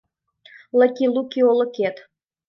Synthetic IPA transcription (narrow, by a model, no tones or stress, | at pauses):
ləkʲilukʲiolɤ̆ket̪